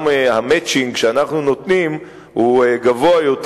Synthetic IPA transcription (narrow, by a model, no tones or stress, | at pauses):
mehamet͡ʃiŋɡʃeanaχnuno̞t̪nim | huɡavoajot